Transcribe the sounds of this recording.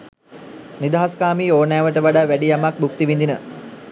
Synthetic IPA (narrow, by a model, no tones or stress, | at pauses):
nid̪aɦaskaːmiːoːnaːʋəʈəʋaɖaːʋæɖijamak̚buk̚t̪iʋind̪inə